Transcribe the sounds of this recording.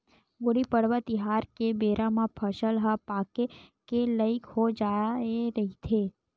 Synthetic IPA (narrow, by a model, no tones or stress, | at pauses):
ɡoɽipəɽʋat̪iɦaɾkebeɾʔamãpʰəʃəlɦapakekeləikɦod͡ʒajaeɾəɦit̪ʰe